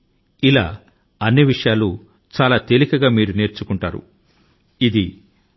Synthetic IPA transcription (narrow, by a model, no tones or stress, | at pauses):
ila̰ː | ɐnːiʋiʂɐjaːlu | t͡ʃaːlaːt̪e̞likɐɡaːmiːɾune̞ːɾt͡ʃukuɳʈaːɾṵ | id̪i